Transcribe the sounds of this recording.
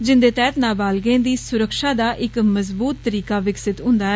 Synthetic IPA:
d͡ʒɪnd̪eːt̪ɛːt̪naːbaːlɡẽːd̪iːsʊɾəkʃaːd̪aːʔɪkməzbuːt̪ːəɾiːkaːʋɪksɪt̪ɦʊ̃nd̪aːɛ

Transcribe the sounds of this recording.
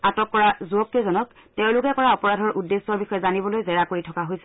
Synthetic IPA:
atɔkːɔɹazuɔkːezɔnɔk̚ | teʊ̃lʊkɛkɔɹaɔpɔɹadʱɔɹʔudːesɔɹbixɔjɛzanibɔlojzɛɹakoɹitʰɔkaɦojsɛ

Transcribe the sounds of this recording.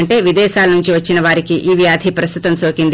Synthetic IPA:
ɳʈe̞ːʋid̪ɛːaːlɐnuɲt͡ʃiʋɐt͡ʃːinɐʋaːɾikiʔiːʋjaːd̪ʱipɾɐst̪ut̪ɐmso̞ːkind̪

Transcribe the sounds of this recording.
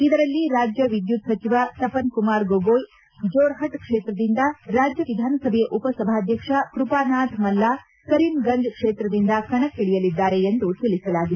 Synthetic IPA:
id̪ɐɾɐlːiɾaːd͡ʒjɐʋid̪jut̪sɐt͡ʃiʋat̪ɐpɐnkumaːɾɡoɡoːj | d͡ʒoːɾɦɐʈkʂeːt̪ɾɐd̪ind̪ɐɾaːd͡ʒjɐʋid̪ʱaːnɐsɐbʱɛjɐʔupɐsɐbʱaːɐd̪ʱjɐkʂɐkɾupaːnaːd̪ʰʱmɐlːaː | kɐɾimɡɐnd͡ʒkʂeːt̪ɾɐd̪ind̪ɐkɐɳɐkːiɭijɐlid̪ːaːɾe̞end̪ut̪iɭisɐlaːɡid̪e

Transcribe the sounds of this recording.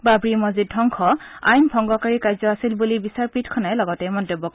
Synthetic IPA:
babɹimɔzid̚dʱɔŋkʰɔa̰jnbʱɔŋɡɔkaɹikajzɔasilbulibisaɹpitkʰɔnajlɔɡɔtɛmɔntobɔk

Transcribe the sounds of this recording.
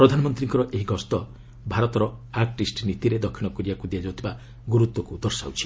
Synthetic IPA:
pɾɔd̪ʱanɔmɔnt̪ɾiŋkɔɾɔʔeɦiɡɔst̪ɔ | bʱaɾɔt̪ɔɾɔaɾʈisʈnit̪iɾed̪ɔkʰːinɔkuɾiakud̪iad͡ʒɔt̪ʰiba | ɡuɾut̪wɔkud̪ɔɾsa̰wt͡ʃʰi̥

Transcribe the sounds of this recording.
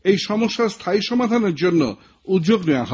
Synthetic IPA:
ejʃɔmoʃːast̪ʰaiʃɔmad̪ʱaneɾd͡ʑonːo̰ | ud̪d͡ʑoɡneoaɦɔ

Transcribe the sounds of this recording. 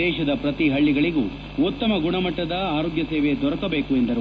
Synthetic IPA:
ɛːʃɐd̪ɐpɾɐt̪iɦɐɭːiɡɐɭiɡṵ | ut̪ːɐmɐɡuɳɐmɐʈːɐd̪ɐaːɾoːɡjɐseːʋe̞d̪ɔɾɐkɐbe̞ːkuend̪ɐɾu

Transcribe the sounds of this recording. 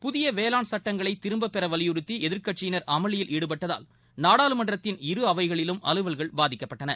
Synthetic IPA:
pʊðɪjɐʋeːlaːnsɐʈːɐŋɡɐɭɐɪt̪ːɪɾɯmbɐpːɛɾɐʋɐlɪjʊɾɯt̪ːiɛðɪɾkɐʈ̚t͡ʃɪjɪnɐɾʔɐmɐɭɪjɪlʔiːɽɯp̬ɐʈːɐða̰ːl | naːɽaːlɯmɐɳɖrɐt̪ːɪnɪɾɯɐʋɐɪɣɐɭɪlɯmɐ̰lɯʋɐɭɣɐɭbaːðɪkːɐpːɐʈːɐnɐ

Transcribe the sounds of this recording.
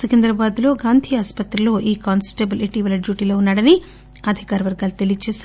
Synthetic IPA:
sukend̪ɾɐbaːd̪lo̞ːɡaːnd̪ʱiːaːspɐt̪ɾɐlo̞ːʔiːkaːnsʈebɐleʈiːʋɐlɐɖjuːʈiːloːunːaːɽɐni | ɐd̪ʱikaːɾɐʋɐɾɡaːlɐt̪elit͡ʃeːs

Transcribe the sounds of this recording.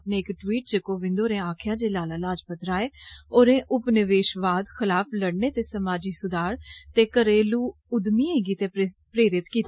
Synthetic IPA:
pnẽːɪkʈwiːʈt͡ʃəkoːʋɪ̃nd̪oːɾẽːaːkʰjaːd͡ʒeːlaːlaːlaːd͡ʒpət̪ɾaːeːoːɾẽːʔʊpnɪʋeːʃʋaːd̪xʰɪlaːpʰləɽneːt̪eːsəmaːd͡ʒiːsʊd̪aːɾt̪eːkəɾeːluː | ʊd̪miːẽːɡiːt̪eːpɾeːɾɪt̪kiːt̪ː

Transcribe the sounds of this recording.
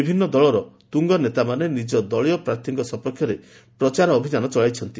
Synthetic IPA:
ibʱinːɔd̪ɔɭɔɾɔt̪uŋɡɔnet̪amanenid͡ʒɔd̪ɔɭijɔpɾaɾt̪ʰiŋkɔsɔpɔkʰjɔɾe | pɾɔt͡ʃaɾɔːbʱinanɔt͡ʃɔɭajt͡ʃʰɔnt̪i

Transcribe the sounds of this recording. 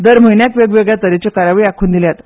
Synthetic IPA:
d̪əɾm̤əjnjakʋeɡʋeɡɭjat̪əɾet͡ɕekaɾaʋiːakʰuːnd̪iljat̪

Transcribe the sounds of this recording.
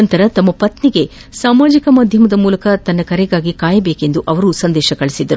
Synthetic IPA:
ɐnt̪ɐɾɐt̪ɐmːɐpɐt̪niɡe̞ | saːmaːd͡ʒikɐmaːd̪ʱjɐmɐd̪ɐmuːlɐkɐt̪ɐnːɐkɐɾɛɡaːɡikaːjɐbe̞ːke̞nd̪uʔɐʋɐɾusɐnd̪ɛːʃɐkɐɭisid̪ːɐɾu

